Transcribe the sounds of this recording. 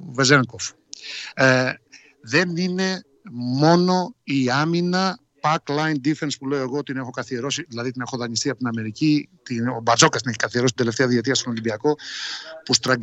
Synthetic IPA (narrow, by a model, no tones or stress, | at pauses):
vezeŋkof | ðe̞nine̞ | mo̞no̞iɐminɐ | pɐklɐjnd̪ife̞nspule̞oe̞ɣo̞ot̪ine̞xo̞kɐθie̞ɾo̞siðilɐðit̪ine̞xo̞ðɐɲist̪iɐpot̪inɐme̞ɾicit̪iobɐɾzo̞kɐst̪ineçikɐθieɾost̪nd̪left̪eɐðiet̪iɐst̪ono̞limbiɐko̞pust̪ɾɐɡ